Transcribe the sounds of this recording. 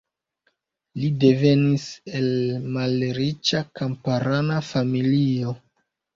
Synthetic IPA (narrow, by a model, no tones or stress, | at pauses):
lide̞ve̞nise̞lmalɾit͡ʃakampaɾanafamilio̞